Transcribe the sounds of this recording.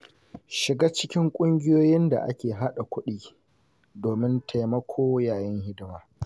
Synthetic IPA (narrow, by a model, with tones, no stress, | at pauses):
ʃɪ˨ɡaː˦t͡ʃɪ˦kʲɪ˦ŋkʷʼʊ˦ŋɡʲɪ˦joː˦jɪ˦nda̰˨ʔa˦kʲeː˨ɦa˦ɗa˨kʷʊ˦ɗiː˦ | doː˨mɪ˦ntʰa˨jmɐ˦kʷʰoː˦jaː˨jɐ˦ŋhɪ˦dwaː˦